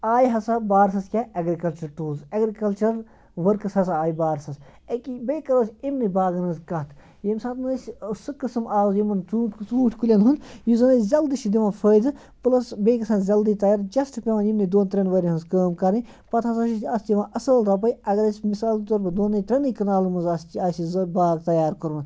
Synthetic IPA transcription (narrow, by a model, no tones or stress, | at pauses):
aːjɦɐsabaːɾsɐskʲaɐɡɾikɐlt͡ʃɐɾʈuːlzɐɡɾikɐlt͡ʃɐɾ | ʋɐɾkɐshɐsaaːjibaːɾsɐs | ɐkibeːkɐɾəːsʲimnibaːɡɐnɐːzkɐt̪ʰ | jemsaːt̪nɐssɨkɨsɐmʔaːzjimɐnt͡suːʈʰʲt͡suːʈʰʲkulʲɐnɦund̪juzɐnɐzʲɐld̪iʃid̪iʋãfʰəːjd̪ɨ | plɐsbeːkɐsãːnzʲɐld̪it̪ɐjaːɾd͡ʒɐsʈɨpʲeʋɐnimnid̪oːnt̪ɾʲɐnʋɐɾʲiɦɐzkəːmkɐɾi | pɐt̪ʰɐsɐʃiiɐst̪ʲjiʋãʔɐsəlt̪ɐp̬ɐjɐɡɐɾɐsʲmisaːlt̪oɾbɐd̪oːnɐt̪ɾʲɐnɨkɐnaːlumɐnzɐst͡ʃ̪iaːsizbaːɡ̚t̪ɐjaːɾkoɾʋɐn